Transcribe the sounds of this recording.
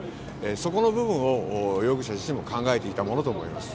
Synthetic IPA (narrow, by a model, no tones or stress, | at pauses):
eso̞ko̞no̞bɯ̟βɯ̟̃ɰ̃o̞jo̞ɡɯ̟ɕaʑiɕimo̞kãŋɡae̞t̪e̞it̪amono̞t̪o̞ːmo̞̰ḭma̰sɨ̥